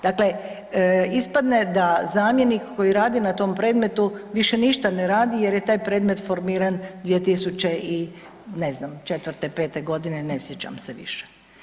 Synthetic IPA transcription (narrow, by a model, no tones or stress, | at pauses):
d̪̥akle̞ | ispad̪ne̞d̪azaːmje̞nikkːo̞jiɾaːd̪inat̪o̞ːmpɾe̞ːd̪me̞t̪uʋiʃeniʃt̪aneɾaːd̪ije̞ɾjet̪aːjpɾe̞ːd̪me̞t̪foɾmiːɾand̪ʋije̞t̪isut͡ɕeʔi | neznamt͡ʃe̞t̪ʋrɾt̪epet̪eɡo̞d̪ine̞nesjet͡ɕa̰mseʋḭʃe̥